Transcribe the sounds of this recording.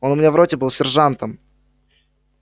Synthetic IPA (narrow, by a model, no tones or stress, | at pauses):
onʊmʲɪnʲavɾotʲɪbɨlˠsʲɪrʐant̪əm